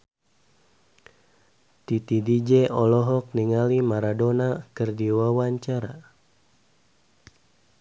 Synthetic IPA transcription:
t̪it̪idid͡ʒɛʔɔlɔɦɔk̚niŋalimaɾadonakɨrdiwawaɲt͡ʃaɾa

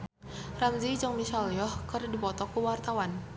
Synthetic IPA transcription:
ramd͡ʒid͡ʒɔŋmisaliɔhkərdipɔt̪ɔkuwart̪awan

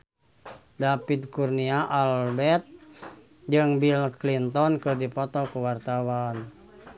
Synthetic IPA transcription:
dapit̪̚kurniaʔalbɛt̪̚ | d͡ʒɨŋbilklint̪ɔnkɨrdipɔt̪ɔkuwart̪awan

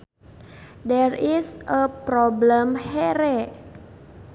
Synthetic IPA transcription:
dɛrisʔəpɾɔbləmhɛɾɛ

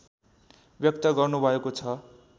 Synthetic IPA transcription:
bjʌk̚t̪ʌɡʌrnubʱʌekot͡sʰʌ

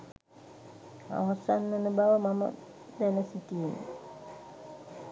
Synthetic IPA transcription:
a̰ɦasanːənubaʋəmamə̰ | d̪ænəsit̪ijen̰

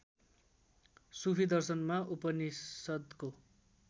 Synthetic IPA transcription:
supʰid̪ʌrsʌnmaʔupʌnisʌd̪ko

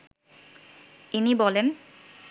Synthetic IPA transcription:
inibɔlen

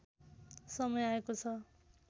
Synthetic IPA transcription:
sʌmʌjaekot͡sʰʌ

